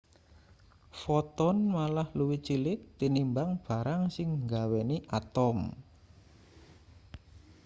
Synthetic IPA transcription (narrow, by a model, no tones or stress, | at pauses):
fɔt̪ɔnmalahluwit͡ʃilɪk̚t̪inimbaŋb̥a̤ɾaŋsɪŋɡaweniʔat̪ɔm